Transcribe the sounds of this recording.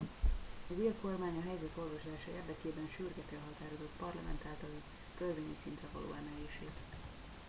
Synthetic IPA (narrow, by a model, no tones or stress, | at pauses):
ɒzeːlko̞rmaːɲɒɦɛjzɛt̪o̞lvɒʃlaːʃɒeːrd̪ɛkeːbɛnʃyrɡɛt̪ɛlɦɒt̪aːɾo̞zo̞t̪pɒrlɒmɛ̰nt̪aːlt̪ɒli | kølveːɲisint̪rɛvɒ̰lo̰ːɛmɛɦeːʃeːt̪